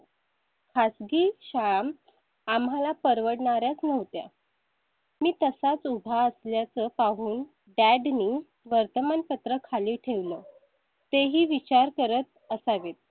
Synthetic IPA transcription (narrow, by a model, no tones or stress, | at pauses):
kʰasɡiːɕam | amɦalapəɾʋəɽɳaɾjat͡snəʋt̪ja̰ | miːt̪əsat͡subʱaəsljat͡səpaɦuːn | ɖæɖniː | ʋəɾt̪əmanpət̪ɾəkʰaliːʈʰeʋlə | t̪eɦiːʋit͡ɕaɾkəɾət̪̚ | əsaʋet̪̚